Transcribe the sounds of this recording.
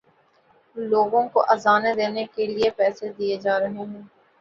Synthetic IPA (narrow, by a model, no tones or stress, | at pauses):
loːɡõkoʔɐzaːned̪eːnekeliepɛːsed̪ijed͡ʒaːɾɐɦeɦɛ̃ː